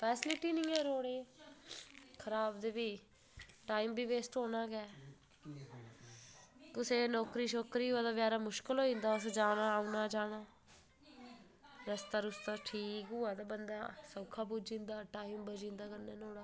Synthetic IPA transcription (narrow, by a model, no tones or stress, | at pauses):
pʰɛːsɪlɪʈiːnĩːɛːɾoːɽeː | kʰəɾaːbd̪eːbiː | ʈaːiːmbiːʋeːsʈɦoːnãːɡɛː | t̪ʊsẽːnɔːkɾiːʃoːkɾiːɦʊaːd̪aːʋjaːɾaːmʊʃkəlɦoːĩːnd̪aːəsd͡ʒaːɽ̃aːunãːd͡ʒaːɽ̃aː | ɾəst̪aːɾʊst̪aːʈʰiːkɦʊːaːd̪aːbənd̪a̰ːsəbkʰaːbuːd͡ʒĩːnd̪aːʈaːiːmbəd͡ʒĩːnd̪aːkənːeːnoːɽaː